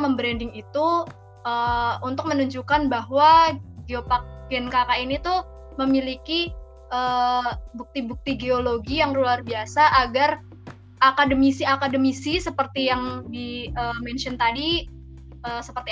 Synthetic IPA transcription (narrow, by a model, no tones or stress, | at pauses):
məmbɾɛndɪŋit̪u | əunt̪ʊk̚mənuɲd͡ʒukanbaɦwaɡeopak̚ɡɛnkakainit̪u | məmiliki | əːbuk̚t̪ibuk̚t̪iɡeoloɡijaŋluarbiasaʔaɡar | ʔakadəmisiakadəmisisəpərt̪ijaŋdiəːmɛnt͡ʃɔnt̪adi | əːsəpərt̪i